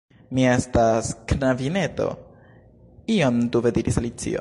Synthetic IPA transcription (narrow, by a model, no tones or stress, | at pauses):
mie̞stasknavine̞to̞̰ | iomt̪uved̪iɾisalit͡sḭo̰